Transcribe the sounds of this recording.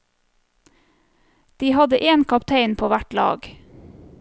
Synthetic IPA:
d̪̥iːhɑd̪əʔeːnkʰɑpt̪ʰeɪnpʰoːʋæʈlɑ̰ːɡ

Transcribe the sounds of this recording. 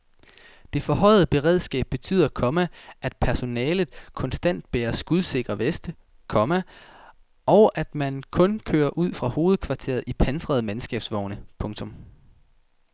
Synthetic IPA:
d̥e̝fɒ̽ɦɒ̽ɪ̰ð̞̩ˠb̥e̝ʁɛðˠsɡ̥ɛ̰ːb̥ːe̝t͡sʰy̰ːð̰ˠɐkʰɒ̽mæʔæd̥pʰæɐso̝nɛːlð̩ˠkʰɒ̽nsd̥æn̰d̥̚b̥eːɐsɡ̥uðˠse̝ɡ̥ʁɐʋesd̥ə | kʰɒ̽mæ | ʔɒ̽ʊʔæd̥mænkʰɔ̽nkʰø̰ːɐʔuð̞̰ˠfʁɑ̈ho̝ːð̞̩ˠkʰʋɑ̈t͡sʰe̝̰ːɐð̩ˠipʰænsʁɐð̞̩ˠmensɡ̥ɛ̰ːb̥sʋɒʊnəpʰɔ̽ŋt͡sʰɔ̽m

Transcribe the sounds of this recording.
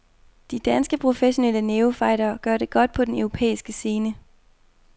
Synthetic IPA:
d̥id̥ænsɡ̥əpʰʁo̝feɕo̝nel̰əneːʊfɑ̈ɪ̰ɾɐːɡ̥ɶɐ̰ɾe̝ɡ̥ɒ̽d̥̚pʰɒ̽d̥enøʊʁo̝pʰḛːisɡ̥əse̝ːnə

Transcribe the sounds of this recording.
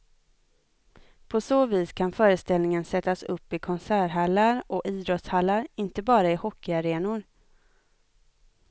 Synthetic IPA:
pʰɔsoːviːskʰanfœːɾəst̪ɛlnɪŋənsɛt̪ːasɵpːɪkʰɔnsæːɾɦalːaɾʔɔʔiːd̪ɾɔt̪shalːaɾɪnt̪əbɑːɾaɪhɔkːɪaɾeːnʊɾ

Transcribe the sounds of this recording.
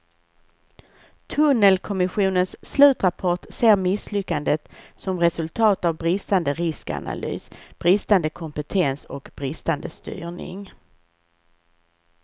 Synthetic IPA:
t̪ʰɵnːəlkʰɔmɪɧuːnənsːlʉ̟ːt̪ɾapʰɔʈseːɾmɪslʏkːand̪ət̪sɔmɾɛsɵlt̪ʰɑːt̪avbɾɪst̪and̪əɾɪska̰na̰ly̰ːsb̥ɾɪst̪and̪əkʰɔmpɛt̪ʰɛnsɔkb̥ɾɪst̪and̪əst̪y̰ːɳɪ̰ŋ

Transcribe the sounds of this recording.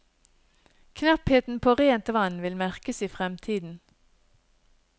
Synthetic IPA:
kʰnɑpheːt̪n̩pʰoːʁeːnt̪ʋɑnʋɪlmæʁkəsiːfʁɛmt̪ʰiːd̪n̩

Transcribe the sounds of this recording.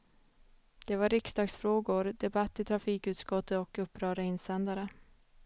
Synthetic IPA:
d̪̥ɛvaɾɪksd̪ɑːɡsfɾoːɡʊɾd̪ɛbat̪ːɪt̪ʰɾafiːkʉ̟ːt̪skɔt̪ʰːət̪ɔkɵpːɾœːɾəɪnsɛnd̪aɾə

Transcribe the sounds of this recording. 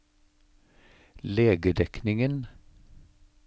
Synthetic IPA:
leːɡəɖ̪ɛknɪŋən

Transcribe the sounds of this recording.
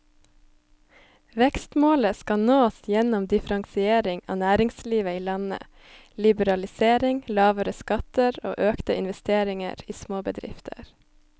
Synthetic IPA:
ʋɛkst̪moːləskɑnoːsjɛnɔmd̪ɪfɾɑŋsɪeːɾɪŋɑ̰ːnæːɾɪŋsliːʋəiːlɑnə̰ | lɪbəɾɑlɪseːɾɪŋlɑːʋəɾəskɑt̪əɾo̰ːʔøːkt̪əʔɪnʋɛst̪eːɾɪŋə̰ɾiːsmoːbəd̪ɾɪ̰ft̪ʰə̰ɾ

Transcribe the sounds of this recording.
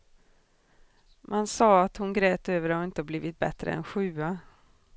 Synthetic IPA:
mʔansɑːat̪hʊnɡɾɛːt̪øːvəɾaɾɪnt̪əhabliːvɪt̪̚bɛ̰t̪ɾə̰ɛ̰nɧʉ̟ːa

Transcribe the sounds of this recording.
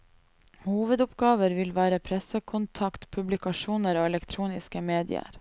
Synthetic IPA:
huːʋəd̪ʊpɡɑːʋəɾʋɪlʋæːɾəpʰɾɛsəkʰʊnt̪ʰɑkt̪pʰʉblɪkɑʃuːnəɾoːɛlɛkt̪ʰɾuːnɪskəmeːd̪ɪ̰ə̰ɾ

